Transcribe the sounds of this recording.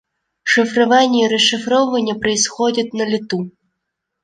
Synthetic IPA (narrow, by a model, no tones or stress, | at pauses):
ʂɪfɾʊʋɑnʲːiiɾeʃɪfɾɔʋɐnʲːɐpɾɪjsxɔdʲɐtʲnɐlʲit̪u